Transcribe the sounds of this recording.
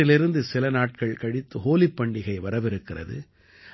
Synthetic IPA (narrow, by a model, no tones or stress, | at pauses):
ɪlɪɾɯnd̪ɯsɪlɐnaːʈ̚kɐɭkɐɽɪt̪ːɯɦoːlɪpːɐɳɖɪɣɐɪʋɐɾɐʋɪɾɯkːɪrɐ̰ðɯ̰